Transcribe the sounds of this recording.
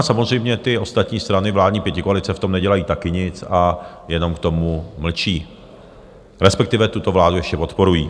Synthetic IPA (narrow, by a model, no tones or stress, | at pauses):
samo̞zr̝ɛjmɲɛt̪ɪo̞st̪at̪ɲiːst̪ɾanɪvlaːdɲiːpjɛcɪkoalɪt͡sɛft̪o̞mnɛɟɛlajiːt̪akɪɲɪt͡sa | jɛno̞mkt̪o̞muml̩t͡ʃiː | ɾɛspɛk̚t̪ɪvɛt̪ut̪o̞vlaːdujɛʃcɛpo̞t̪po̞ɾujḭː